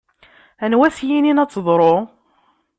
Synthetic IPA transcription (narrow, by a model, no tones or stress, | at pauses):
ænwæθjininæt͡sːðˤɾˤo